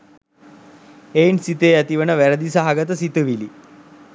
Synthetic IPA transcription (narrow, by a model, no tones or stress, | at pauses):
ejnsit̪eːæt̪iʋənəʋæɾəd̪isaɦaɡət̪̬əsit̪əʋili